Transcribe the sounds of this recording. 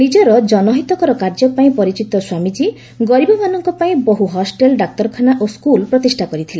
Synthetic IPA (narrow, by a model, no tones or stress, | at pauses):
nid͡ʒɔɾɔd͡ʒɔnɔɦit̪ɔkɔɾɔkaɾd͡ʒɔpaĩpɔɾit͡ʃit̪ɔswamid͡ʒi | ɡɔɾibɔmanɔŋkɔpaĩbɔɦuɦɔsʈelɖak̚t̪ɔɾkʰanaʔoskulpɾɔt̪isʈʰakɔɾit̪ʰilẽ